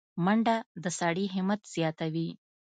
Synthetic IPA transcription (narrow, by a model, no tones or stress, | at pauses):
mɐɳɖad̪əsaɽiɦimːət̪zjaːt̪ɐʋi